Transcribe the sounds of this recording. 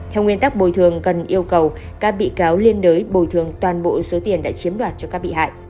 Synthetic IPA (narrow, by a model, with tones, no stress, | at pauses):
t̪ʰɛ˧wŋwi˧ənt̪a˦˥k̚ɓo˧˩jt̪ʰɨ˨˩əŋkə˨˩nʔi˧əwkə˨˩w | kaː˦˥k̚ɓḭ˧˨kaː˨˦wli˧ənɗəː˨˦jɓo˨˩jt̪ʰɨ˨˩əŋt̪waː˨˩nɓo̰˧˨so˨˦t̪i˨˩ənɗa̰ː˧˥t͡ɕi˨˦əmɗwaː˨˩t̚t͡ɕɔ˧kaː˦˥k̚ɓḭ˧˨ha̰ː˧˨jʔ